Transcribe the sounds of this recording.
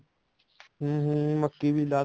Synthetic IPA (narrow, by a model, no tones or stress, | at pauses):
ɦũɦməkːiːbʱiːlaː